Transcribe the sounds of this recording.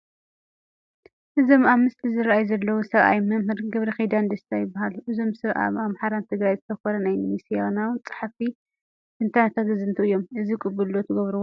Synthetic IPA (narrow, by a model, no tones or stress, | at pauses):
ʔɨzo̞maβmɨst̪ʰizɨɾʔajzɐlːɐwusɐβʔa̰jmɐmhɨɾɡɐβɾɐxid̪and̪ɐst̪ʰajɪbːahaluʔɨzo̞msɐβʔa̰βaβmħaɾant̪ʰɨɡɾajzɨt̪ʰɐxoɾɐnajmisijanawt͡sʼḁħfi | ɨnt̪ʰanat̪ʰat̪ɨzɨnt̪ʰɨɨjːo̞mʔɨzikʼʊbɨlːot̪ʰɐɡɐβɾuwo